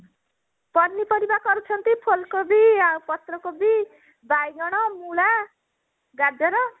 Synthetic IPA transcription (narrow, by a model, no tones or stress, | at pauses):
pʌnnipʌɾibakʌɾut͡sʰʌnt̪ipʰolkobiapʌt̪rʌkobi | bajɡʌɽ̃ʌmula | ɡad͡zʌɾʌ